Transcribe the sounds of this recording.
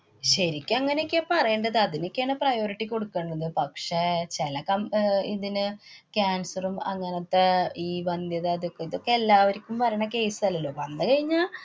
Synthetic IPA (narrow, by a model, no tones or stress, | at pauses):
ɕɐɾikʲːɐŋːɐneekʲːepɐrɐjeːɳɖɐðɨɐðino̞kʲːejaːɳɨprɐjo̞ːɾiʈːiko̞ɽukːeɳɖɐðɨpɐkʂet͡ɕelɐkːɐmiðinɨkʲaːnsɐrumɐ̰ŋːɐnɐt̪ːeiːʋɐnd̪jɐðɨɐðokːeiðo̞kːeelːaːʋɐɾikʲːumʋɐɾɐɳɐke̞ːsɨ̥sɐlːɐlːo̞ːʋɐnːɨkɐɻiɲːaː